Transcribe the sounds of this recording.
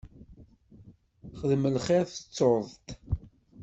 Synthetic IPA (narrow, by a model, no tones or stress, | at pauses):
χəðməlχeɾθət͡sːoðˤt̪